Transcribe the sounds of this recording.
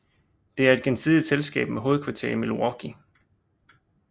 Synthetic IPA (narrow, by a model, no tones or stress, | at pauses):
d̥e̝æɐe̝d̥̚ɡ̥ensʰiðˠid̥selsɡ̥ɛ̰ːb̥̚meɦo̝ːð̩ˠkʰʋɑ̈t͡sʰe̝ɐ̰imeluɒɡ̥ʰi